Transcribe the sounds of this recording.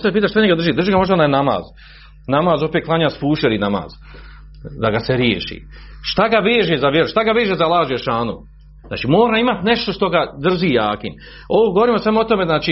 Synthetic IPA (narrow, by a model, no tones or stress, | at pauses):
sapiːt̪aʃt̪aɲeɡad̪r̩ʒiːd̪ɾr̩ʒiɡamo̞ʒd̪aonajnama̰ːz | namaːzopet̪̚klaːɲaːspuːʃeɾinama̰ːz̥ | d̪aɡaseɾjḛːʃḭʃt̪aɡaʋeːʒezaʋjeɾuʃt̪aɡaʋeːʒezalˠaːʒujeʃaːnṵ | zna̰ːt͡ʃimoːɾaːimat̪ne̞ʃt̪o̞ʃt̪o̞ɡad̪r̩ʒiːjaːkim | oʋoɡooɾiːmosamoot̪o̞meznaːt͡ʃi